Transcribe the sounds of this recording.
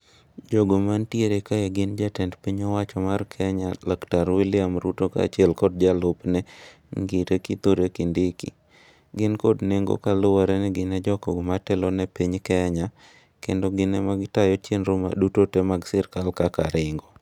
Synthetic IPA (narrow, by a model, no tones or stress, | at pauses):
d͡ʒoɡomantjeɾekajaɡɪnd͡ʒatɛndpiɲɔwat͡ʃɔmarkʰɛɲalaktaɾwilɪamɾutoka̰t͡ʃiɛlkɔd̚d͡ʒalʊpnɛ | ŋɡitekit̪oɾekindɪkḭ | ɡɪnkɔdneŋɡo̰kalʊwaɾɛnɛɡɪnɛd͡ʒɔkɔɡmatɛlɔnɛpiɲkɛɲa | kendɔɡɪnɛmaɡɪtajɔt͡ʃenɾoma̰dutotemaɡsɪrkalkakaɾɪŋɡo